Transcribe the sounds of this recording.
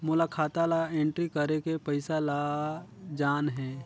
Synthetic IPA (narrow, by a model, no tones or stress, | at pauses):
mʊlakʰaːt̪alaẽɳʈɾikəɾekepəɪsala | d͡ʒaːnɦɛː